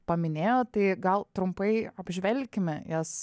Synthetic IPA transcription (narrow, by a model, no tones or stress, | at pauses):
pɐmʲɪnʲeːjoːt̪ɐɪɡɐlˠt̪ɾʊmpɐɪɐb̥ʲʒʲʋʲɛlʲkʲɪmʲɛjɛs